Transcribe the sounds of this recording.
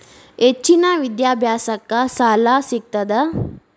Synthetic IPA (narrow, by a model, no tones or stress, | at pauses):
et͡ɕːinaʋid̪jabʱjasakːasalasik̚t̪əd̪a